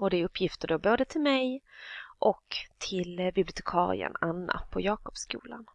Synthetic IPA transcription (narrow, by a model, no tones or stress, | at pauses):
ɔd̪ɛːɾɵpʰːjɪft̪əɖɔboːd̪ət̪ʰɪlmɛjʔɔkt̪ʰɪlbɪblɪʊt̪ʰɛkʰɑ̰ːɾɪ̰ə̰nanːa̰pʰɔjɑːkɔpskṵːlan